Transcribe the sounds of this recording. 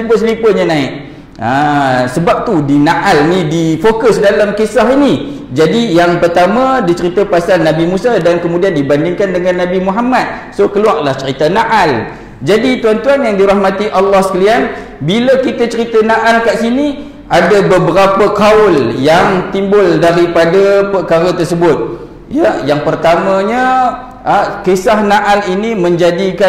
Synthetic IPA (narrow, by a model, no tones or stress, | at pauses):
t̪imbʊlslipəɲanãɪʔ | asəbap̚t̪udinaʔalnidifokʊsdalamkisaɦini | d͡ʒadijaŋpərt̪amə̃dit͡ʃəɾit̪apasalnːabimũsadankəmudiandibandɪŋkandəŋãnːabimuɦamat̪̚sokəluaʔ̚laht͡ʃəɾit̪anaʔal | d͡ʒadit̪uant̪uanjaŋdiɾahmãt̪iʔalːɑhskalian | biləkit̪ət͡ʃəɾit̪anaʔalkaʔsini | adabəbəɾapəkaʊljaŋt̪imbʊldaɾipadapərkaɾət̪ərsəbʊt̪̚ | jajaŋpərt̪amãɲə | kesahnaʔalinimə̃ɲd͡ʒadika